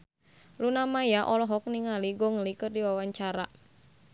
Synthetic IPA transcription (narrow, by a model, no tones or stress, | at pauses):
lunamajaʔɔlɔɦɔk̚niŋaliɡɔŋəlikɨrdiwawaɲt͡ʃaɾa